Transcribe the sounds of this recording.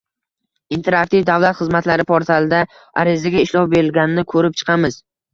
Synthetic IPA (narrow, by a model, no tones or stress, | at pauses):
int̪ʰe̞ɾak̚t̪ivd̪avlˠat̪χɨzmat̪laɾɪpʰoɾt̪ʰalˠɪd̪a | a̰ɾɪzaɡʲaɪʃlɒwbeɾɪlɡʲanɪnɪkʰɵɾɪp̚t͡ʃʰɨ̥qʰɑmɪz